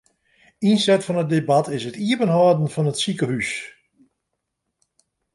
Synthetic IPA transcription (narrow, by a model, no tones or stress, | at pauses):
insɛtfɔnət̚debatʰɪsətiəpənɦɔːdn̩fɔnətsikəhys